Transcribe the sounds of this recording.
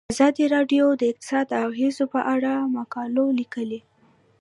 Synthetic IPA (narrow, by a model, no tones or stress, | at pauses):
azɑd̪iɾɑɖjod̪əɪq̚t̪ɪ̥sɑd̪aɣezopəʔaɽamakɑlolikəle